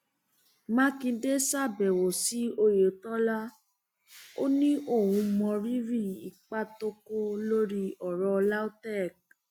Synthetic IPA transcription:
mã˦kĩ˧de˦sa˦˨bɛ˨wo˨si˨˦o˧je˨o˨tɔ˦la˦ | o˦nĩ˦ʔo˦˨wũ˨˧mɔ̃˧ɾi˦ɾi˦˨i˨k͡pa˦to˧ko˦lo˦ɾi˦ɔ˨ɾɔ˧la˦o˦tɛ˦˨k̚

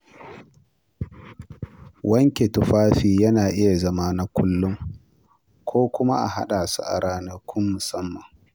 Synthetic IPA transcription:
wʔɐ˦ŋkʲe˨tʊ˨ɸaː˦ɸiː˨jɐ˦naː˨ʔɪ˦ja˨zɐ˦maː˦na˦kʷʊ˦lːʊ˦ŋ | kʷʰoː˦kʷʊ˦ma̰˦ʔa̰˨ha̰˦ɗaː˨sṵ˦ʔa̰˨ɽaː˦nɐ˦rkʷʰʊ˦mːʊ˨sɐ˦mːɐ˨ŋ

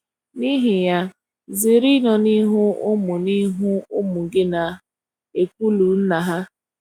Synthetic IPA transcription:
ni˦ɦi˨ja˦ | zi˨ɾi˦nɔ˨ni˦ɦʊ˦ʊ˦mʊ˨ni˦ɦʊ˦ʊ˦mʊ˨ɡɪ˦na˨ | e˨kʷu˦lu˨n̩˦na˨ɦa˦

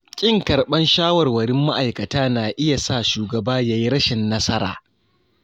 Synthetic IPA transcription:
kʲʼɪ˦ŋkɐ˨ɾɓɐ˦nʃaː˦wɐ˨rwɐ˨ɾɪ˦mːa˦ʔa˨jkɐ˨taː˦naː˨ʔɪ˦ja˨saː˦˨ʃuː˨ɡɐ˨baː˦jaː˦ji˦ɾɐ˦ʃɪ˨nːɐ˦sɐ˦ɾa̰ː˨

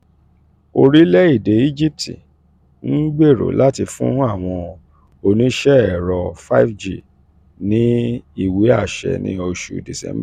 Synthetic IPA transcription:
o˧ɾi˦lɛ˦i˦˨de˨˦i˦d͡ʒi˦p̚tḭ˨ | n̩˦ɡ͡be˦˨ɾo̰˨la˦ti˧fṵ̃˦a˦˨w̃ɔ̃˧ | o˧nĩ˨˦ʃɛ˦ɛ˨ɾɔ˧fa˦fd͡ʒi˦˨ | nĩ˨˦i˦˨wi˨˦a˦˨ʃɛ̰˨nḭ̃˨˦o˧ʃṵ˨di˨sɛ̰̃˨˦m˦b

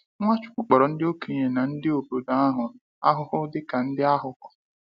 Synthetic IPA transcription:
ŋʷa˦t͡ʃʊ̥˦kʷʊ˦k͡pɔ˨ɾɔ˨n̩˦dɪ˦o˦ke˨ɲe˨na˨n̩˦dɪ˦o˨bo˨da˦a˦ɦʊ˨ | a̰˦ɦʊ˦hʊ˦dɪ˦ka˨n̩˦dɪ˦a˦ɦʊ˦kʊ̥˦

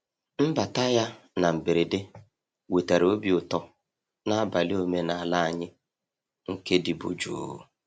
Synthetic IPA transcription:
m̩˦ba˨ta˦ja˦ | na˨m̩˨be˨ɾe˨de˦ | we˨ta˨ɾo˦bi˨ʊ˨tɔ˦ | na˦a˦ba˨lɪ˦o˦me˦na˨a˨la˦a˨ɲɪ˦ | ŋ̩˦ke˦dɪ˨bʊ̰˨d͡ʒṵ˨

